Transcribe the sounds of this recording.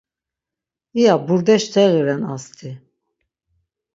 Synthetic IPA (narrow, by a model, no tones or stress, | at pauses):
ijabuɾd̪ɛʃt̪ʰɛɣiɾɛnast̪ʰi